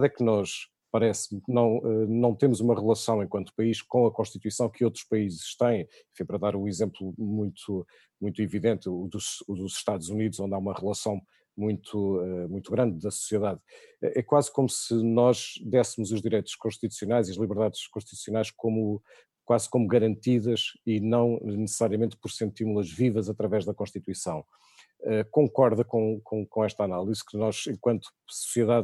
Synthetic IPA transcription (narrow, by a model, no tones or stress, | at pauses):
ðɛknɔʃ | pɐɾɛsmnɐ̃w̃ɛnɐ̃w̃t̪emuzumɐʁɨlˠɐsɐ̃w̃ẽkwɐ̃nt̪u̥pɐiʃkõɐkõʃt̪it̪wisɐ̃w̃kɨot̪ɾu̥ʃpɐizʃt̪ɐ̃j̃ | ẽfĩpɐɾɐðaɾũizẽmplˠumũj̃t̪ʰu | mũj̃t̪uiviðẽnt̪ːðuʃuðuz̥ʃt̪aðzuniðuzõnd̪aumɐʁɨlˠɐsɐ̃w̃ | mũj̃t̪ʰuɛmũj̃t̪uɣɾɐ̃nd̪̚ðɐsu̥sjɛðaðɛʔɛkwazkomusɨnɔʒd̪ɛsmuzuʒðiɾejt̪u̥ʃkõʃt̪it̪u̥sjunajziɐʒlˠiβɨɾðaðʃkõʃt̪i̥t̪usjunajʃkomu | kwazkomuɣɐɾɐ̃nt̪iðɐʃinɐ̃w̃nɨsɨ̥saɾiɐmẽnt̪̚pɔɾsẽnt̪iɾmulˠɐʒvivɐzɐt̪ɾɐvɛʒðɐkõʃt̪it̪wisɐ̃w̃ | ɛkõŋkɔɾðɐkõkʰõkõɛʃt̪analˠiz̥kɨnɔʒẽŋkwɐ̃nt̪u̥su̥siɛðað